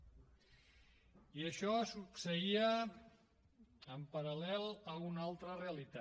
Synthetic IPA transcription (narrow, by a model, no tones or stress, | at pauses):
iəʃɔsuksəiə | mpəɾəlɛlˠəunalˠt̪ɾəreəlit̪a